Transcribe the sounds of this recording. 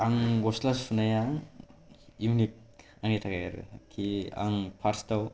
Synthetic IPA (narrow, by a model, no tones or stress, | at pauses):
aŋɡɔslaspʰunajaŋ | umnip̚ | aŋitʰakajaɾ̰kʰia̰ŋpʰaɾstaw